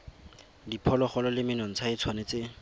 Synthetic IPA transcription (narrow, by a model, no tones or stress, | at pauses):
dipʰɔlɔχɔlɔlɪmɪnɔŋ̩t͡sʰait͡sʰwanet͡sɪ